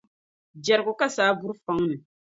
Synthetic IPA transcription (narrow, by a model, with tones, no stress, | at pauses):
d͡ʒɛ˨ɾko˨ka˦saː˨˦vu˦ɾfa˦ŋnɨ˨